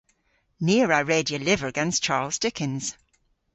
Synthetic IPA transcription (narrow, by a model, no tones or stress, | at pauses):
niəɹəɹeːdiəlɪvə˞əɡɛ̃nst͡ʃʰaːlˠz̥dɪkʰɪ̃nz̥